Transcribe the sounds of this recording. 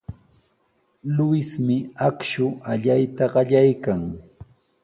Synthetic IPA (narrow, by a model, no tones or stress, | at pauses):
lʊɪsmɪakʃʊʔaʎajt̪aɢɑʎajkaŋ